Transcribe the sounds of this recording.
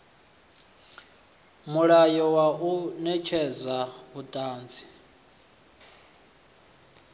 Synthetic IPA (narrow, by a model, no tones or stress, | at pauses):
muɺajɔwaunɛt͡ʃʰɛzaβutʼaːnd͡zi